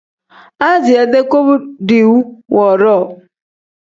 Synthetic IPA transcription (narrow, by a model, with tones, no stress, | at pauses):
a˦d͡ʒi˨e˨de˦ko˦bʊ˦di˨wu˦wɔ˨ɾɔ˦˨